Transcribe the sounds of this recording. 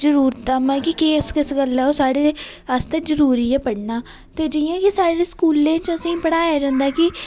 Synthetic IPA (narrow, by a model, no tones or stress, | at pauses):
zəɾuːɾt̪amɛːkɪkeskɪsɡəlːɛːoːsaːɽeːəst̪eːzəɾuːɾiːɛːpəɽnaː | t̪eːd͡ʒɪjãːkɪsaːɽeːskuːlẽːt͡ʃəsĩːpəɽaːaːd͡ʒə̃ːnd̪aːkɪ